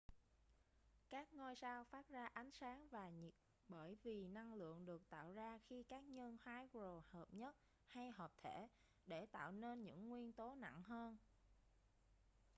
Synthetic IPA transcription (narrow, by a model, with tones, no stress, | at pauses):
kaː˦˥k̚ŋo˧jsaː˧wfaː˦˥t̚zaː˧ʔa˨˦jŋ̟saː˨˦ŋvaː˨˩ɲi˨˩ | ɓəː˧˩jvi˨˩na˧ŋlɨ̰˧˨əŋɗɨ˨˩ək̚t̪a̰ː˧˨wzaː˧xi˧kaː˦˥k̚ɲə˧nhaː˨˦jɣzo˨˩həː˨˩p̚ɲə˦˥t̚ | ha˧jɦəː˨˩p̚t̪ʰe˧˩ | ɗe˧˩t̪a̰ː˧˨wne˧nɲɨ̰˧˥ŋːwi˧ənt̪o˨˦na̰˧˨ŋɦəː˧n